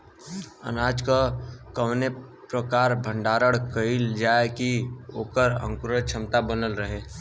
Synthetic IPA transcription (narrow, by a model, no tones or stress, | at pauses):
ə̰naːd͡ʒkakəʋne | pɾəkaːɾbʱə̃ɳɖaːɾəɽkəild͡ʒaːekioːkəɾə̰̃ŋkʊɾəɾt͡ʃʰəmt̪abənəlɾəɦeː